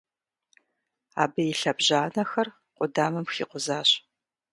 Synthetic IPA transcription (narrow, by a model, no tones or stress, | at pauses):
aːbɨjɪɬɐbʑaːnɐxɐr | qʷʊdaːmɨmxḭːqʷʊzaːɕ